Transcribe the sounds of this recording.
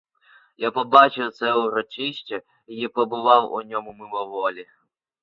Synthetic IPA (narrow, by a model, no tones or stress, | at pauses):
japɔbat͡ʃɪwt̪sɛʊɾɔt͡ʃɪʃʲt͡ʃɐ | ijipɔbɪʋɑwʊ̰nʲɔmʊmɪmɔʋɔlʲi